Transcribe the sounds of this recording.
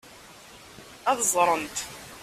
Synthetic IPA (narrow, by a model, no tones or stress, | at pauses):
æðəzˤɾˤənt̪